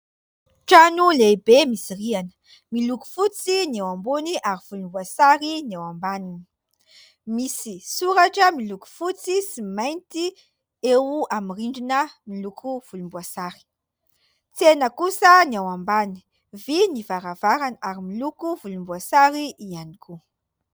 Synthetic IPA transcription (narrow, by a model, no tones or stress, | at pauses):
ʈ͡ʂanuleibemisirianə̥ | miluku̥fut͡sinawambuniʔaɾiv̥ulumbuasaɾinawambanini̥ | misisuɾaʈ͡ʂəmiluku̥fut͡sisimajnt̪i | ewamiriɳɖ͡ʐinəmilukʰuv̥ulumbuasaɾi̥ | t͡senəkusəniawambani̥ | vinivaɾavaɾanaɾimilukuvulumbuasaɾiʔianikʰu